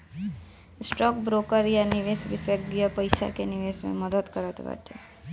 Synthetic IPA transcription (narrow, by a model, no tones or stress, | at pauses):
ɪsʈɔːkbɾoːkəɾjanɪʋeːsʋɪsəɡjəpɐɪʃa̰kenɪʋeːsmḛ̃məd̪ət̪kəɾət̪bɛ̰ːʈʰḛː